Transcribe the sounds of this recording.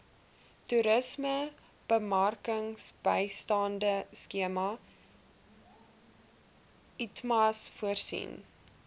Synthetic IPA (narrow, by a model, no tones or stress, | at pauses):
tuɾəsmə | b̥əmɐrkəŋsb̥əjstɑːndəskiəmɐ | itmɐsfuərsḭn